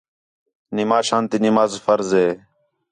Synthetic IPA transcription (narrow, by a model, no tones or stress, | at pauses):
nɪmaːʃãːnt̪inɪmaːzfəɾzeː